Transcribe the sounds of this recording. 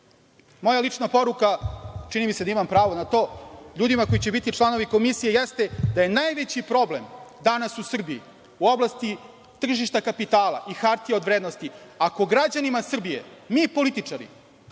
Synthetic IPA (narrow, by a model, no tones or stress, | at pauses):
mo̞jalit͡ʂnapo̞ɾukat͡ʂinimise̞d̪aimampɾaːʋo̞nat̪o̞ːʎuːd̪imako̞jit͡ɕe̞bit̪it͡ʂlˠano̞ʋiko̞misije̞jest̪e̞d̪aje̞najʋet͡ɕipɾo̞ble̞md̪anasusr̩bii | uo̞blˠast̪i | t̪r̩ʒiʃt̪akapit̪aːlˠa̰ʔixaɾt̪ijeod̪ʋɾeːd̪nost̪iako̞ɡɾad͡ʑanimasr̩bijḛmiːpo̞lit̪it͡ʂaɾḭ